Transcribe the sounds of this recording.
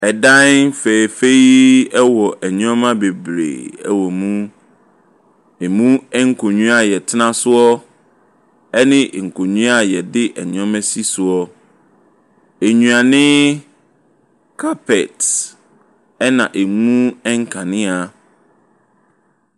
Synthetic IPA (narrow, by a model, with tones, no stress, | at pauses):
ɛ˨dã˦nfe˨fe˦i˦ɛ˦wɔ˨ʔɛ˨ɲ˦ɔ̃˦mã˦be˨bɾḛ˨ɛ˦wɔ˨mũ˦ | e˨mũ˦ɛ˦ŋ̩˦kʰo˨ɲũ˦a˦˨jɛ˨tʰɪ˦nã˦sʊ˦ɔ˦ | ɛ˦nɪ̃˦ʔŋ̩˨kʰo˨ɲũ˦a˦˨jɛ˨dɪ˦ʔɛ˨ɲ̃˨˦ɔ̃˦mɛ̃˦si˦sʊ˨ɔ˦ | e˨ɲũ˨a˨nɪ̃˦ | kʰa˦pʰɛ˨t | ɛ˦nã˨ʔe˨mũ˦ɛ˦ŋ̩˦kʰã˨nɪ̃˦a˨